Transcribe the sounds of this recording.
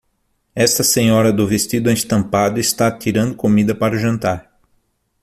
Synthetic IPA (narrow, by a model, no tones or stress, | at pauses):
ɛst̪ɐsẽɲɔɾɐd̪ʊvest̪id̪ʊẽst̪ɐ̃mpad̪ʊɪst̪at̪iɾɐ̃nd̪ʊkomid̪ɐpaɾɐʒɐ̃nt̪aɾ